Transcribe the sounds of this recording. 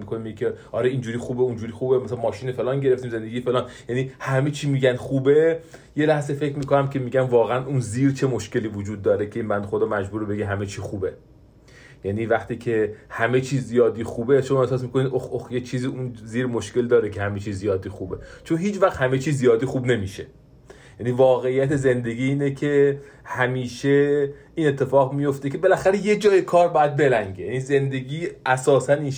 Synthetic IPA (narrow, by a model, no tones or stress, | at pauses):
mikʰonimiɟecʰeʔɒɾeind͡ʒuːɾiːxuːbeund͡ʒuːɾiːxuːbemæsælænmɒːʃiːnefelɒːnɟeɾe̞ft̪iːmze̞nd̪eɡijfe̞lɒːnjæniːhæme̞t͡ʃʰiːmiːɟænd̪xuːbe̞ | jelæhzefe̞cʰɾmiːkʰo̞næmcʰe̞miːɟʲænvɒːɣeænʔuːnziːɾt͡ʃʰe̞moʃce̞liːvod͡ʒuːd̪̚ːɒːɾekʰeiːnbænd̪exod̪ɒːmæd͡ʒbuːɾebe̞ɡeɦæme̞t͡ʃʰiːxuːbe | jæniːvæxt̪iːcʰe̞hæme̞t͡ʃʰiːzːijɒːd̪iːxuːbeʃomɒːe̞hsɒːs̬mikoniːd̪oxoxjet͡ʃʰiːziːunziːɾmoʃke̞ld̪ɒːɾekʰehæmet͡ʃʰiːzːijɒːd̪iːxuːbe̞t͡ʃʰonɦiːt͡ʃvæχt̪hæme̞t͡ʃʰiːzːijɒːd̪iːxuːbne̞miːʃe | jæniːvɒːɣe̞ijːæt̪ʰe̞ze̞nd̪e̞ɡʲiːiːnekʰe̞ | hæmiːʃe | iːne̞t̪ʰːe̞fɒːɣmijo̞ft̪ekʰe̞belæxæɾeje̞d͡ʒɒːjekʰɒːɾbɒːjæd̪̚be̞læŋɟejænize̞nd̪e̞ɡiːæsɒːsæniːn